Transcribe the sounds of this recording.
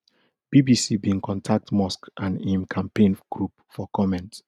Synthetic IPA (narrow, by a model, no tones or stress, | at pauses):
b̥ibisibĩŋkʰɔ̃ntʰak̚tmɔskʔãnĩmkʰãmpẽnɡ̥ɹup̚fɔkʰɔmɛ̃nt